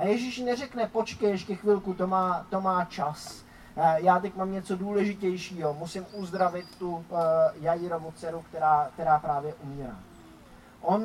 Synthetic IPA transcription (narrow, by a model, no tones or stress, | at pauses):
ajɛʒɪʃnɛrɛknɛpo̞t͡ʃkɛjɛʃkɛxvɪlkut̪omaːt̪o̞maːt͡ʃas | jaːt̪ɛcmaːmɲɛt͡so̞duːlɛʒɪcɛjʃiːɦo̞musɪmʔuzd̪ɾavɪt̪ːujajɪɾomot͡sɛɾukt̪ɛɾaːkt̪ɛɾaːpɾaːvjɛʔumiːɾa̰ː | ʔo̞n